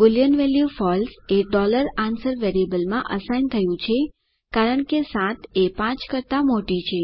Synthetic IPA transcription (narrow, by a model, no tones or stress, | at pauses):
bɪljənʋɛljufɔlseɖɔləɾansəɾʋeɾebəlmãʔəsajnt̪ʰəjũt͡ʃʰe | kaɾəɳkesãt̪ʰepãt͡ʃkəɾt̪ãmoʈit͡ʃʰe